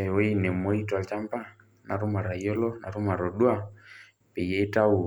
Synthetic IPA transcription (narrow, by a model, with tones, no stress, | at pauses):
ɔ˦i˦nɛ˨mɔ˦i˦twa˨lt͡ʃa˦mpa˦ | na˨ɾu˦ma˨ɾa˨jɔ˦lɔ˦na̰˨ɾu˦ma˨ɾɔ˨ɗwa˦˨ | pɛ˨jɛ˦i˦ta˦u˨